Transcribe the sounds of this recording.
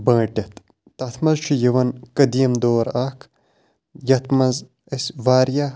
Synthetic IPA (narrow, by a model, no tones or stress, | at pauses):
bɐ̃ːʈʲɐt̪ | t̪ɐt̪ʰmɐzt͡ʃʰijiʋɐnkɐd̪ijɐmd̪oːɾaːkʰ | jɐt̪ʰmɐz | ɐsʋaːɾja